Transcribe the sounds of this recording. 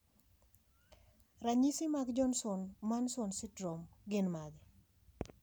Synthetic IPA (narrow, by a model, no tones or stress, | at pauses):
raɲisɪmaɡd͡ʒɔnsɔnmansɔnsɪdɾɔmɡɪnmad̪ɛ